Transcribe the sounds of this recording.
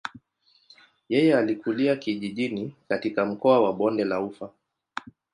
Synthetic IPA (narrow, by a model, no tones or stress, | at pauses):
jɛjɛalikuliakiʄiʄinikatikam̩kɔawaɓɔndɛlaufa